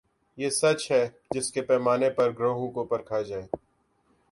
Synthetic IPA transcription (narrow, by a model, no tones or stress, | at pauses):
jeːsɐt͡ʃɦɛː | d͡ʒɪskepɛːmaːnepɐɾɡɾoːɦõkopɐɾkʰad͡ʒaːeː